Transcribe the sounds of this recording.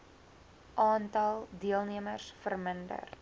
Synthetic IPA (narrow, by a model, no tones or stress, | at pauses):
ʔɑːntɐlˠdiəlˠniəmərsfərməndə̰r